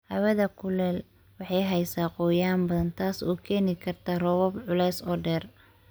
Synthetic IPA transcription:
hɐwɐðɐkʰʊlɛːl | wɑħɑjɦɛjsaːqʊːjaːmbɐðɐnt̪ʰaːsuːkʰɛːnɪkʰɐrt̪ʰaːrɔwɔbʕʊlɛjsɔːɖɛːr

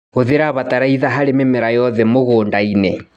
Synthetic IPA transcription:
oðeɾaβataɾaiðaɦaɾememeɾajɔðɛmoɣoːndainɛ

